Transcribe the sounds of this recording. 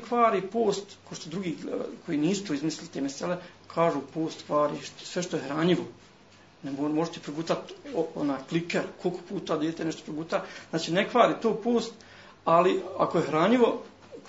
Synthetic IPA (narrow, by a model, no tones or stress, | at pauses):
kʋaːɾiːpoːst̪koʃt̪od̪ɾuɡiːkʰo̞jiːniːsu̥p̪ɾoizmislilit̪eːmesele | kʰaːʒuːpoːst̪kʋaːɾiːʃt̪sʋeʃt̪o̞jehɾaɲiʋo | nemomoʒet̪ipɾoɡut̪at̪oonaːjklikeɾkolko̥puːt̪aːd̪jeːt̪enɛʃt̪opɾoɡut̪aznaːt͡ʃinekʋaːɾiːt̪oːpo̞ːst̪ | aliakojehɾaːɲiʋo̞